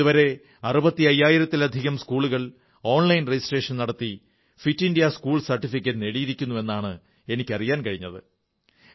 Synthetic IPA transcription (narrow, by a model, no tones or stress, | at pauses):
uʋɐɾe̞ | ɐrubɐt̪ːiɐjːaːjiɾɐt̪ːilɐd̪ʱiɣɐmskuːɭuɣɐɭ | o̞ːnlɐjnred͡ʑisʈeːʂɐnnɐɽɐt̪ːi | fitːinɖijɐskuːɭsɐrʈːifikʲːɐtːɨne̞ɽijiɾikʲːunːue̞nːaːɳɨ | e̞nikʲːɐrijaːnkɐɻiɲːɐðɨ̰